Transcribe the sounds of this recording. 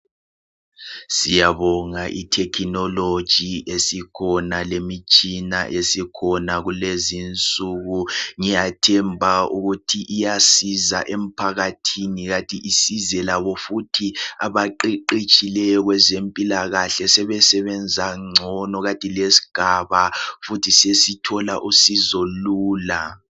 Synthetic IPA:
sijaβɔŋaʔitʰɛkʰinɔlo̥ʒ̥ʱiʔesikʰɔnalemit͡ʃʼinaʔesikʰɔnaɣulezint͡sʼuɣuŋijatʰɛmbʱaṵɣutʰiʔijasiza̰ʔem̩pʰaɣatʰiniɣatʼiʔisizɛlaβɔfutʰia̰βaǃiǃit͡ʃʼilɛjɔɣwɛzempʼilaɣaɬɛsɛβɛsɛβɛnd͡zʱaŋ͡ǀʱɔnɔɣatʼilesi̥ɡ̥ʱaβafutʰisesitʰɔla̰ʔusizoluːla

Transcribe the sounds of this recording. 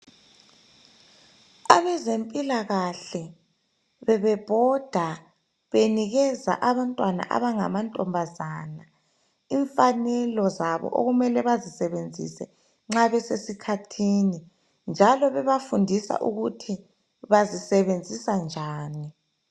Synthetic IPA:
a̰βɛzempʼilaɣaɬɛ | βɛβɛb̥ʱɔd̥ʱa | βeniɣɛza̰ʔaβantʼwana̰ʔa̰βaŋa̰mantʼɔmbʱazana | iɱfanɛlɔzaβɔ̰ʔo̰ɣumɛlɛβazisɛβend͡zʱḭsɛ | ŋ͡ǁaβɛsesikʰatʰini | nd͡ʒʱalɔβɛβafundʱisa̰ʔuɣutʰi | βazisɛβend͡zʱisand͡ʒʱaːni

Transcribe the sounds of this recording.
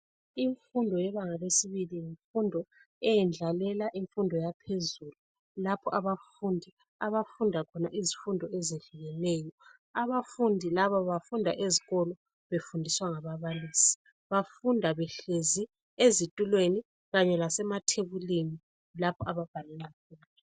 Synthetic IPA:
iɱfundʱɔjɛβaŋalesiβiliiɱfundʱɔ | ɛjɛnd͡ɮʱalɛlaʔiɱfundʱɔjapʰezulu | lapʰɔʔaβafundʱi | aβafundʱakʰɔnaʔizifundʱɔɛzeɮuɣɛnɛːjɔ | aβafundʱilaβaβafundʱaʔeziɣɔlɔ | βefundʱiswaŋaβaβaliːsi̥ | βafundʱaβɛɬezi | ezitʼulweni | ɣaɲɛlasɛmatʰeβulemi | lapʰɔaβab̥ʱalilafuːna

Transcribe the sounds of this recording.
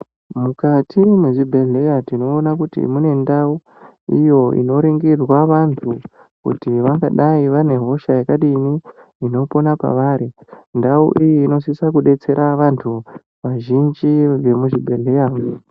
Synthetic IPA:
mukatimweʐibʱe̞ɮe̞jatino̞ːnak̬utḭmune̞ndau | ḭjo̞ḭno̞ɾiŋɡirwaʋantʰu | kṵtiʋaŋɡaɗaiʋane̞ɦo̞ʃajekaɗiniː | no̞po̞napa̰ʋaːɾindaṵʔijiːno̞sisakuɗe̞t͡se̞ɾʔaʋantʰu | ʋaʒind͡ʒiʋe̞muʐibʱe̞ɮejaːm

